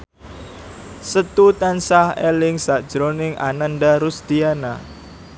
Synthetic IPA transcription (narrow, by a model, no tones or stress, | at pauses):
sət̪ut̪ansahelɪŋsad̥ʒ̥ɾonɪŋʔa̰nanɖaɾusd̪̥iana